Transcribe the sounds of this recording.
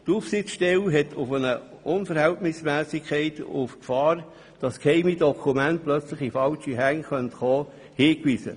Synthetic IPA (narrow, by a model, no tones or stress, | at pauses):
tuːfsɪt͡sʃtɛlɦɛtʰʊfənə | ʊnfəɾhæltnɪsmæːsikʰɛɪtṵfkfɑːɾ | d̥ɑskʰɛɪmidɔkʰumænt̚plœt͡sləχifɑlʃiɦæŋχœntχoː | hiːkʋiːsə̰